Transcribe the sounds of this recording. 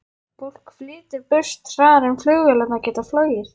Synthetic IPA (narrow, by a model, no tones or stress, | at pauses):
fowl̥kflɪːt̪ɪɾpʏst̪fɾaːðaɾɛmflʏɣvɛːlat̪nacɛːt̪aflœːɥjɪɾ̥